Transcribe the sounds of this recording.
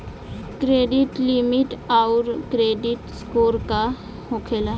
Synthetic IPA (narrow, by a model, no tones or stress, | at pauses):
kɾeːɖɪʈlɪmɪʈaʊɾkɾeːɖɪʈskoːɾka | hokʰela